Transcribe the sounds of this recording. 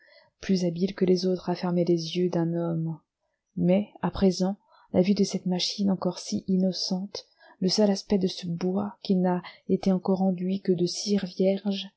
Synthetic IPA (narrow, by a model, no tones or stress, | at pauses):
plyzabilkəlezot̪χafɛʁmelezjød̪ɛ̃nɔmː | ɛapχezɑ̃ | lavyd̪əsɛt̪maʃinɑ̃kɔʁsiʔinɔsɑ̃t̪ | ləsœlaspɛd̪əsəbwakʲinaet̪eɑ̃kɔʁɑ̃d̪ɥikəd̪əsiʁvjɛʁʒ